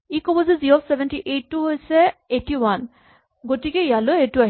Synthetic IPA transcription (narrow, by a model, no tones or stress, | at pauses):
ikɔbɔziziɹopʰsebʱɛntiʔetːuɦojsɛetiwan | ɡotikɛjaloetuaɦ